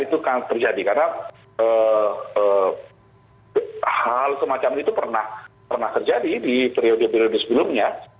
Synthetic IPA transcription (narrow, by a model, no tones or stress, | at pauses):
it̪ukaŋt̪ərd͡ʒadikarna | əːə | halsəmat͡ʃamit̪upərnahpərnaht̪ərd͡ʒadidipɾiodopiɾodʊsəbəlʊmɲa